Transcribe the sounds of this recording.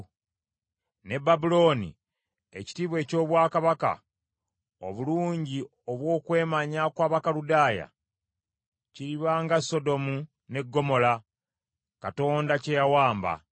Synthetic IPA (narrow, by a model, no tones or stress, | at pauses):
ne̞bːabulo̞ːnḭ | e̞̰ci̥tiːβwe̞ːco̞ːβwaːkaβaka̰ | o̞̰βuluːɲɟi | o̞βwo̞ːkwe̞ːmaɲakwaːβakaludaːja̰ | ciɾiβaŋɡaso̞do̞mu | ne̞ɡːo̞mo̞la | kato̞ːndace̞jawaːmba̰